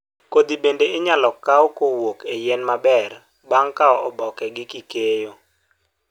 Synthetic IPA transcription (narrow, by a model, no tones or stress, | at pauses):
kod̪ibendeɪɲalɔkːawɔkowokejɛnmabɛr | baŋkaɔɔbɔkɛɡɪkikejo